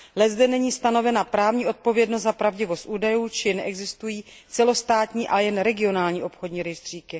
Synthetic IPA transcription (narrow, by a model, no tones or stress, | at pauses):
lɛzdɛnɛɲiːst̪ano̞vɛnapɾaːvɲiːo̞t̪̚po̞vjɛdnost̪zapɾavɟɪvo̞st̪ʔuːdajuːt͡ʃɪnɛʔɛɡzɪst̪ujiː | t͡sɛlo̞st̪aːt̪ɲiːʔalɛjɛnɾɛɡɪo̞naːlɲiːʔo̞pxo̞dɲiːɾɪʃd̪r̝̥iːkɪ